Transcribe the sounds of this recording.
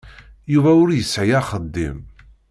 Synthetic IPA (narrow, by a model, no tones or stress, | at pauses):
juvæʊɾjəsːʕjaχəd̪ːḭm